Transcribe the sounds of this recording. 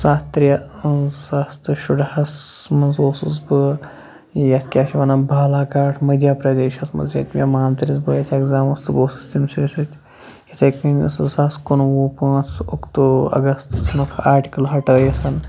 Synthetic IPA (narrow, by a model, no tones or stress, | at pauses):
saːt̪t̪ɾjɐ | zsast̪ɨʃuɖhɐsmɐzoːsuzbɨ | jɐt̪ʰʲkʲaːʃiʋaːnabʱaːlaːkaːʈʰmɐd̪ʲjaːpɾɐd̪eːʃɐsmɐ̰zjɐt̪ʲmʲɐmaːnt̪ɐɾʲizbɨjɐt͡sʰʲɐːɡzaːmɐst̪ɨboːsɨ̥st̪imseːsut̪ʲ | jɐt͡sʲɐkɨnʲsɨsaskonwoːpãːt͡sukt̪uɐ̰ɡɐst̪t͡sʰɐnukʰaːɾʈʲi̥kɐlɦɐʈɐːjɐsɐn